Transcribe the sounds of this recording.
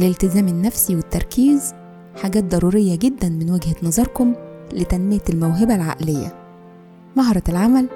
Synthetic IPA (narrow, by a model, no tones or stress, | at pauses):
lelt̪ɪzæːmenːæfsiwet̪ːɑɾˤkiːz | ħaɡæːt̪̚d̪ˤɑɾˤuːɾɪjːæɡed̪ːænmɪnwæɡhænɑzˤɑɾˤkomlet̪ænmɪjælmæwɦɪbælʕa̰ʔlejːæ̰ | mɑɦɑɾˤɑlʕamæl